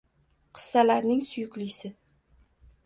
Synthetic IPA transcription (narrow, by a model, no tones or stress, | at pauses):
qʰɨ̥sːalaɾnɪŋsʊjʊklɪjsɪ